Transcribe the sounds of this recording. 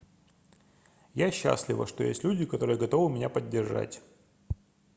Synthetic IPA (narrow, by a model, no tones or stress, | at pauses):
jaɕːa̰slʲɪvə̰ʂt̪ojḛsʲtʲlʲudʲɪkɐt̪o̞ɾɨjəɡɐt̪o̞vɨmʲɪnʲapədʲːɪrʐa̰tʲ